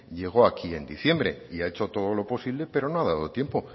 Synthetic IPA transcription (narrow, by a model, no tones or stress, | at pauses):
ʎe̞ɣ̞o̞akie̞nd̪iθje̞mbɾe̞̰iae̞t͡ʃo̞t̪o̞ð̞o̞lo̞po̞siβle̞pe̞ɾo̞noaðaðo̞t̪je̞mpo̞